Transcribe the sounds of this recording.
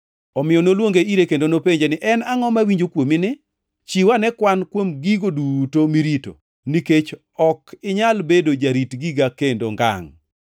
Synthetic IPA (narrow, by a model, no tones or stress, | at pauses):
ɔmɪjɔnolwoŋɡeiɾekendonopeɲd͡ʒenɪʔɛnaŋɔmawiɲd͡ʒokwomɪnɪ | t͡ʃiwanɛkwankwomɡiɡodutomiɾito̰ | niket͡ʃ | ɔkɪɲalbedod͡ʒaɾitɡiɡakendo̰ŋɡa̰ŋ